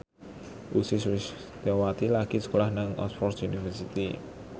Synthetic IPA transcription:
ʔusɪswɪs | d̪̥awat̪ilaɡ̥isə̥kolahnaŋɔ̰sfɔrsunifərsit̪i

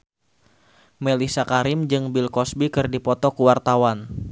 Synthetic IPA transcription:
melisakaɾɪmd͡ʒɨŋbilkɔsbikɨrdipɔt̪ɔkuwart̪awan

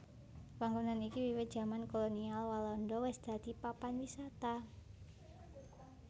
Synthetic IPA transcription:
paŋɡunanikiwiwɪt̪̚dd͡ʒ̥a̤mankolonialwalɔndɔwɪsd̪̥a̤d̪̥ipapanwisat̪a

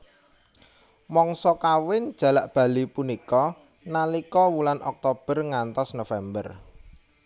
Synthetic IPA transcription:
mɔŋsɔkawɪn̥ʒ̥a̤laʔb̥ä̤lipunikɔ | nalikɔwulanʔɔk̚t̪ob̥ərŋant̪ɔsnofɛmbə̰r

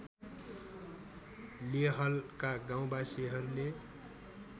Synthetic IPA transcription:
leɦʌlkaɡaw̃basiɦʌɾule

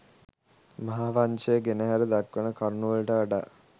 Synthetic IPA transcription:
maɦaʋaɲt͡ʃejəɡenəɦæɾəd̪akʋənəkʰaɾnuʋəlʈəaɖa

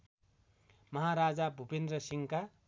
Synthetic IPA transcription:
mʌɦaɾad͡zabʱupend̪rʌsiŋka

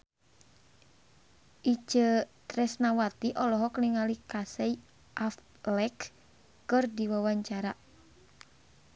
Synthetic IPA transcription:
ʔid͡ʒət̪ɾɛsnawat̪iʔɔlɔɦɔkniŋalikasɛi | ʔaf | lɛk | kɨrdiwawaɲt͡ʃaɾa

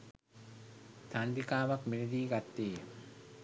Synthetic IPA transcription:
t̪and̪ikaːʋakmined̪iːɡat̪ːeːjm

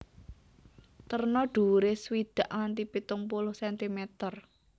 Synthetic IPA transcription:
t̪ərnɔɖ̥ṳɾeswid̪̥ä̤ʔŋant̪ipit̪ʊŋpulʊhsɛnt̪imɛt̪ər

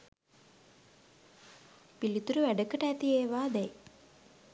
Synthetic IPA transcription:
pilit̪uɾuʋæɖəkəʈəæt̪ieːʋaːd̪ɛj

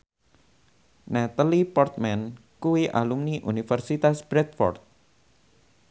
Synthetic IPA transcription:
nɛt̪alipɔrt̪̚mɛn | kuwiʔa̰lumniʔunifərsit̪asb̥ɾɛt̪̚fɔ̰rt̪̚

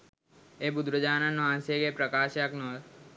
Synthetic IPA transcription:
eːbʊd̪ɾəd͡ʒaːnanːoãːnsekepɾəkaːʃjaknoː

